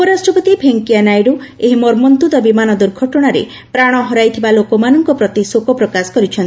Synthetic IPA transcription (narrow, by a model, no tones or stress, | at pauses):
upɔɾasʈɾɔpɔt̪ibʱeŋkianajɾueɦimɔɾmɔnt̪ud̪ɔbimanɔd̪uɾɡʱɔʈɔɽ̃aɾḛ | pɾaɽ̃ɔɦɔɾajt̪ʰibalokɔmanɔŋkɔpɾɔt̪isokɔpɾɔkasɔ̥kɔɾit͡ʃʰɔnt̪i